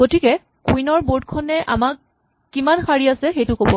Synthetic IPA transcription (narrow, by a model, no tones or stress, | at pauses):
ɡotikɛ | kuinɔɹboɹd̚kʰɔnɛʔa̰makː | imanxaɹiasɛxejtʊkobɔ